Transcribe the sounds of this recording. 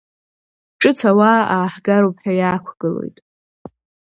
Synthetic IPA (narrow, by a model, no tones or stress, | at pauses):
ʈ͡ʂʼɨt͡sʰawaaːħɡaɾopʰħajaːkʷʰɡ̥ɨlo̞̰jtʼ